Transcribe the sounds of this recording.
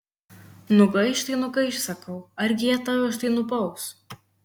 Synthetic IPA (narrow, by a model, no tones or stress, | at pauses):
nʊɡɐɪʃt̪ɐɪnʊɡɐɪʃsɐkɐʊɐɾʲɡʲɪjɛt̪ɑʋʲʊɐʃt̪ɐɪnʊbɐʊs